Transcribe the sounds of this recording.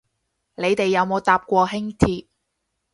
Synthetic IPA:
le˨˧jt̪e˨jːɐ˨˧wmo˨˧wt̪aː˨p̚kʷɔː˧ɦɪ˥ŋt̪ʰiː˧t̚

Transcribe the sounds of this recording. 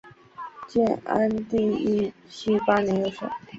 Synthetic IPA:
t͡ɕjɛ˥˩na̰˥nt̪i˥˧i˥ɕi˥pa˥nɛ˧˥jo˧˩ʊʂə̰˧˩˦

